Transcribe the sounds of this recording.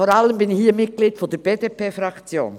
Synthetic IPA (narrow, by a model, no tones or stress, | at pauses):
foːɾaləmbɪnɪçhiːəmɪt̚ɡ̥liːdfɔdəɾb̥eːdepeːfɾɑkt͡sjo̰ːn